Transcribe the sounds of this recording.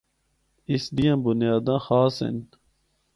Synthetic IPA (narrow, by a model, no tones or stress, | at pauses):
isd̪ijãːbunjaːd̪ãːxaːsḛn